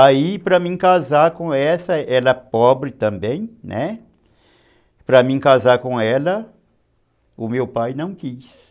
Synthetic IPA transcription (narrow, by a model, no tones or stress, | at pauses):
aipɾɐmĩkazaɾkõɛsɐɛlɐpɔbɾɪt̪ɐ̃mbẽj̃nʔɛ | pɾɐmĩkazaɾkõɛlɐ | ʊmewpajnɐ̃w̃kis